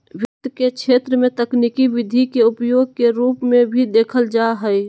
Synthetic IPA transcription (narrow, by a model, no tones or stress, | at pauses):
wɪk̚t̪kekʃʰeːt̪ɾəmẽt̪əknikiʋɪd̪ʱikeʊpjoːɡ̚keɾuːpmẽbʱid̪eːkʰəld͡ʒaɦɛi